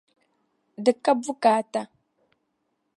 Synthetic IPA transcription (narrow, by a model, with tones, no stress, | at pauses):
də˨kːa˦bu˦ka˨ta˨